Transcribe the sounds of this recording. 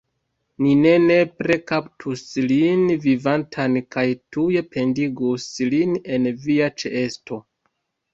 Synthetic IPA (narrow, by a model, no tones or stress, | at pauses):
nine̞ne̞pɾe̞kaptʰuslinvivantʰankajtuje̞pʰe̞ndiɡusline̞nviat͡ʃeʔesto̞